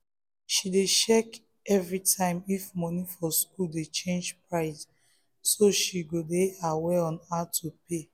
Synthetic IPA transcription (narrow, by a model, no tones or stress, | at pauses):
ʃideʃɛk | ɛvɹitʰãɪ̃mifmɔnifɔskuldet͡ʃẽnd͡ʒpɹaɪs | soʃiɡodeaweɔ̃natʰupe